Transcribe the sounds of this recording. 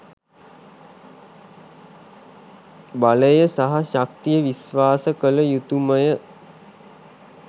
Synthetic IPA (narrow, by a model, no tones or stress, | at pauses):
baləjəsaɦaɕak̚t̪ijəʋisʋaːsəkələjut̪uməjə